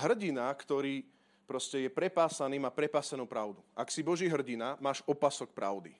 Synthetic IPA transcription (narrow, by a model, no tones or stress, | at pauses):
ɦr̩ɟinakt̪ɔɾiː | pɾɔscɛjɛpɾɛpaːsaniːmaːpɾɛpaːsanuːpɾaʊd̪uaksibɔʒiːɦr̩ɟinamaːʃɔpasɔk̚pɾa̰ʊd̪i